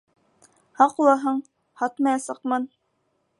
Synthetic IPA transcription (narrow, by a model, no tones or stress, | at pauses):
hɑqulˠɑɦɤɴ | hɑt̪mɑjɑsɤqmɤn